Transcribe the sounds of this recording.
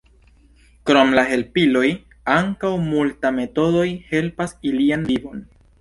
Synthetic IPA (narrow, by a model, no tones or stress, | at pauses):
kɾo̞mlaɦe̞lpilo̞j | aŋkawmultame̞to̞do̞jhe̞lpasilianvibo̞n